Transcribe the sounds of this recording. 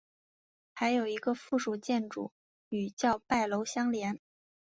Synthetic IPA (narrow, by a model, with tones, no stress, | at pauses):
xa˧˥ɪjo˨˩ʊi˧˥ɡə˧fu˥˩ʂu˨˩t͡ɕjɛ˥˩nʈ͡ʂṵ˨˩˦ | y˨˩t͡ɕjɑ˥˧ʊpa˥˩ɪlo˧˥ʊɕjɑ˥ŋljɛ˧˥n